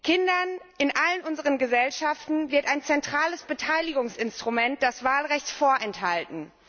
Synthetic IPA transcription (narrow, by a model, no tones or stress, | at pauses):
kʰɪndɐnʔɪnʔalənʔʊnzəʁənɡəzɛlʃaftn̩vɪɐtaɪnt͡sɛntʁ̥aːləsb̥ətʰaɪlɪɡʊŋsɪnstʁ̥umɛnt̚d̥asv̥aːlʁɛçtfoːɐʔɛnthaltn̩